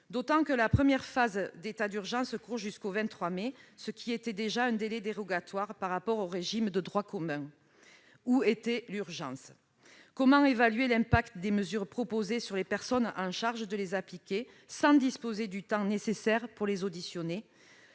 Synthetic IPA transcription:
d̪ot̪ɑ̃kəlapχəmjɛʁfazd̪et̪ad̪yʁʒɑ̃skuʁʒyskovɛ̃nt̪ːχwamesəkʲʰiet̪ɛd̪eʒaɛ̃d̪elɛd̪eʁɔɡat̪waʁpaʁːapɔʁoʁeʒimd̪əd̪ʁwakɔmɛ̃ | uet̪ɛlyʁʒɑ̃s | kɔmɑ̃evalɥelɛ̃pak̚t̪d̪eməzyʁpχɔpozesyʁlepɛʁsɔnɑ̃ʃaʁʒəd̪əlezaplikʲe | sɑ̃d̪ispozed̪yt̪ɑ̃nesesɛʁpuʁlezod̪isjɔne

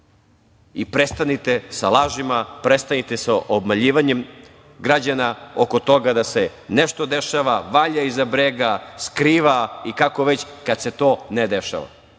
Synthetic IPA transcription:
ipɾest̪anit̪esalaːʒimapɾest̪anit̪e̞saʔobmaʎiːʋaɲem | ɡɾad͡ʑanaokot̪o̞ɡad̪ase | neʃt̪od̪eʃaʋaʋaʎaizabɾeɡaskɾiːʋaikakoʋet͡ɕkad̪se̞t̪o̞ːned̪eʃa̰ʋa̰

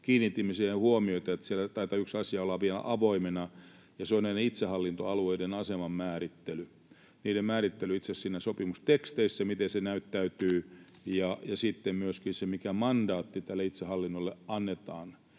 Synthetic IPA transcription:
kiːnːit̪ːimːæsihehuomioit̪ɑet̪sielːæt̪ɑit̪ɑyksɑsiɑolːɑʋielæ̰ʔɑʋoimenɑ | jɑseoneineit̪sehɑlːint̪oɑlueidenɑsemɑmmæːrit̪ːely | niːdemmæːrit̪ːelyit̪sessiːnæsopimust̪ekst̪eisːæmit̪ensenæyt̪ːæyt̪yː | jɑjɑsit̪ːemmyøskinsemikæmɑndɑːt̪ːit̪ælːeit̪sehɑlːinːolːeɑnːet̪ɑ̰ːn

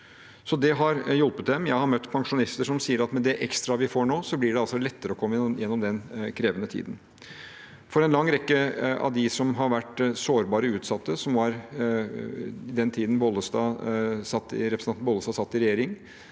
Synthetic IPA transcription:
sɔd̪ɛɦɑɾjɔlpət̪̚d̪ɛmjæɪhɑɾmœt̪ːpʰɑŋʂʊnɪst̪əʂɔmsiːəɾɑt̪mɛd̪ɛʔɛkst̪ɾɑʋɪfoːɳoːsɔblɪɖɛɑlsɔlɛt̪ːəɾəɔkʰɔmːəjɛnːɔmd̪ɛnkʰɾeːʋənət̪ʰḭːd̪n̩ | fɔɾɛnlɑŋːɾɛkːəɑ̰d̪ɪsɔmɦɑɾʋæʈsoːɾbɑːɾəʉːt̪sɑt̪ːəsɔmʋɑɾ | ɪd̪ɛnt̪ʰiːd̪n̩bɔlːəst̪ɑːsɑt̪ːɪ̰ɾɛpɾəsɑnbɔləst̪ɑsɑt̪ːɪɾɛjeːɾɪŋ

